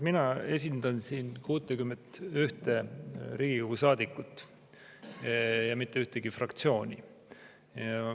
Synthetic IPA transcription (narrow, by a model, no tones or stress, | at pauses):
minɑe̞s̬ʲind̪̥ɑnsiːnkuːt̪ːˑekymːent̪yht̪eɾiːɡiɡusɑːd̪̥ikːˑut̪ːˑ | jɑmit̪ːˑe̞yht̪eɡifrɑkt̪sio̞ːnʲḭ | jɑ